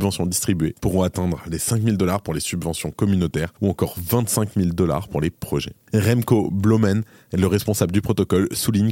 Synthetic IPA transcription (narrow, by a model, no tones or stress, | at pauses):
bvɑ̃sjɔ̃d̪ist̪χibɥepuʁɔ̃at̪ɛ̃d̪ʁlesɛ̃kmild̪ɔlaʁpuʁlesybvɑ̃sjɔ̃kɔmynot̪ɛʁuɑ̃kɔʁvɛ̃t̪sɛ̃kmild̪ɔla̰ʁpuʁlepχɔʒɛ̰ | ʁɛmkoblomɛn | eləʁɛspɔ̃sabləd̪ypχɔt̪ɔkɔlsuliɲ